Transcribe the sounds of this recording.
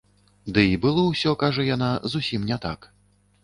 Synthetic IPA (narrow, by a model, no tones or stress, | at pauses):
d̪ɨibɨlˠɔwsʲɔkaʐɐjanazusʲimnʲɛt̪ak